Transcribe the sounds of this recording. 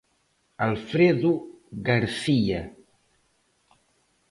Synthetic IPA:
alˠfɾeðuɣaɾsia

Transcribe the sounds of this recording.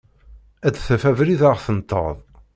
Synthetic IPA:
æd̪θæfævɾiðaʁθənt̪ˤːə̰ðˤ

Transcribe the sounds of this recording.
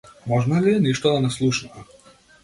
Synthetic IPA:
mɔʒnaliɛniʃt̪ɔd̪anɛslˠuʃnɔ

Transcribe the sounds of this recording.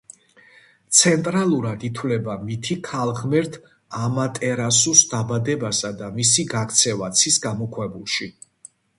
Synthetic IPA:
t̪sʰɛnt̪ʼɾalˠuɾad̪it̪ʰwvlɛbamit̪ʰikʰalˠʁmɛɾt̪ʰ | amat̪ʼɛɾasusd̪abad̪ɛbasad̪amisiɡakʰt̪sʰɛvat̪sʰisɡamɔkʰwɛbulˠʃi

